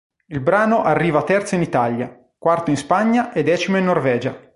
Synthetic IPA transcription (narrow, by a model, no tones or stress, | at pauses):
ilbɾaːnoʔarːiːvat̪ɛrt̪soinit̪aʎja | kwart̪oinspaɲːaʔed̪ɛːt͡ʃimoinːorvɛːd͡ʒa